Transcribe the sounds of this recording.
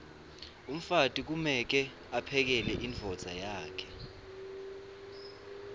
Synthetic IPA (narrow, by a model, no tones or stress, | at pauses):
um̩fatʼik̬umɛk̬ɛ | apʰɛk̬ɛlɛʔiɱvʱɔd̥z̥ʱajaːkʰɛ̥